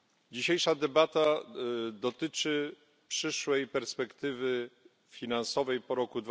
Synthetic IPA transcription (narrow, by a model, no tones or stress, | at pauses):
d͡ʑiɕejʂad̪ɛbat̪a | d̪ɔt̪ɘt͡ʂɘ | pʂɘʂwɛjpɛɾspɛkt̪ɘvɘ | fʲinansɔvɛjpɔɾɔkud̪v